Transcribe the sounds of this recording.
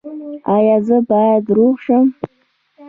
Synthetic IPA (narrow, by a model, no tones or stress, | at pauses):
ɑjɑzəbɑjad̪ɾoʁʂəm